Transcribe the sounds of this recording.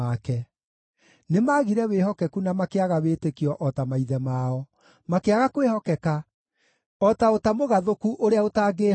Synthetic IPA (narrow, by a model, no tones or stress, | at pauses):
akɛ | nemaːɣiɾɛweːɦɔkɛkunamakeaɣaweːtekiɔʔɔtamaiðɛmaɔ | makeaɣakweːhɔkɛka | ɔtaotamoɣaðokuʔoɾeaotaːɡeː